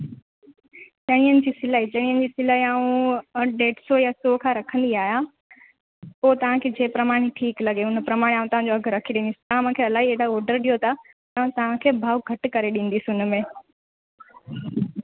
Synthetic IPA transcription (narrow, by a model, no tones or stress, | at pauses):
t͡ɕɐɽ̃ĩːənɪ̆d͡ʑiːsɪlait͡ɕɐɽ̃iːənɪ̆d͡ʑiːsɪlaːɦiaːũɖeːʈsojasoːkʰãːɾɐkʰə̃nd̪iaːɦija | poːt̪ɐʋ̤ãkʰeːd͡ʑeːpɾɐmaːɽ̃iʈʰiːklɐɠeʊnpɾɐmaːɽ̃aːũt̪ɐʋ̤ãɲd͡ʑoɐɡʱɾɐkʰiɗĩːnd̪isɪ̥t̪aaːmãkʰeːɐlaːɦieɽaɔːɾɖəɾɗijot̪ʰa | aːũt̪ɐʋ̤ãkʰeːbʱaːʋɡʱɐʈkɐɾeɗĩːn̆d̪isiʊn̆mẽː